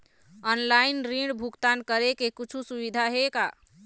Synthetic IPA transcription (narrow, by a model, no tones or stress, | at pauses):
ɔnlaɪnɾiɖbʱuɡt̪ankəɾekekit͡ʃʰusuʋid̪ʱaɦeka